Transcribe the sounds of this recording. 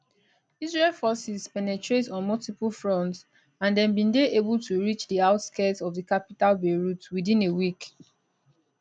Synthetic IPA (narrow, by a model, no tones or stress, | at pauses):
izɹelfɔsizpɛnɛtɹetɔ̃nmɔltipulfɹɔ̃nts | ãndɛ̃nbĩndeʔebultʰuɹit͡ʃdiaʊtskɛtɔvðikapitalbeɹutwidĩnewik